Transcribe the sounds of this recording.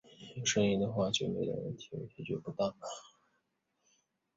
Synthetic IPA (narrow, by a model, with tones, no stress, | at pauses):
ʂə˥ni˥˧ŋd̪ə˨˧xwa˥˩t͡ɕjo˥˩me˧˥ɪd̪̰wə̰˥˩nt̪ʰi̥˧˥˧t̪ʰi˧˥t͡ɕɥɛ˥˩pu˧˥t̪ɑ˥˩ŋlə˨